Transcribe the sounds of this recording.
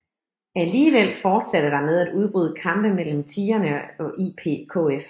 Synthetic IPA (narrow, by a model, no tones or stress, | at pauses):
æliːʋel̰fɒːd̥sæɾ̥əd̥ɑ̈með̞ˠæd̥uð̞ˠb̥ʁyːð̞ˠəkʰɑ̈m̰b̥əmel̰m̩t͡sʰiːɐnəɒ̽ʔiːpʰe̝̰ːkʰo̰ːef